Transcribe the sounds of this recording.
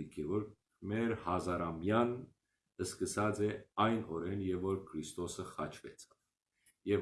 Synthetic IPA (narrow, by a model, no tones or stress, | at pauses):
ikʰɛvɔɾ | mɛɾhɑzɑɾɑmjɑn | əskəsɑd͡zɛɑjnɔɾɛnjɛvɔɾkʰɾist̪ɔsəχɑt͡ʃʰvɛt͡sʰɑ̥v̥ | jɛ